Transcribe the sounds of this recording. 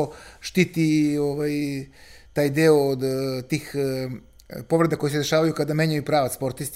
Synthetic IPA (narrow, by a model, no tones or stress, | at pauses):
ʃt̪it̪ioʋaj | t̪aːjd̪eoːd̪t̪iːx | po̞ʋɾe̞d̪ako̞jised̪eʃaːʋajukad̪ameɲajupɾaːʋaspo̞ɾt̪ist̪